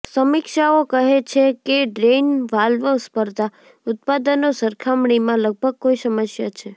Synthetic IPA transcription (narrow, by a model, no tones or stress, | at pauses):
səmikʃaokəɦet͡ʃʰekeɖɾenʋalʋəspəɾd̪ʱa | ʊt̪̚pad̪ənosəɾkʰamɳimãləɡ̚bʱəɡ̚koisəməsjat͡ʃʰe